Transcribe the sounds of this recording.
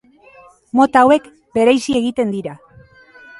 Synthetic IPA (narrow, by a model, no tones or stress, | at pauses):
mo̞t̪awe̞k | be̞ɾejsie̞ɣit̪e̞nd̪iɾa